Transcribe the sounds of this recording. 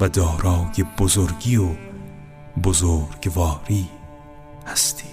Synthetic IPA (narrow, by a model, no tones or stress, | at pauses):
vɐd̪ɔːɾɑːwkebʊzoɾɡio | bʊzoɾɡvɑːɾiː | hast̪ʰi̥ː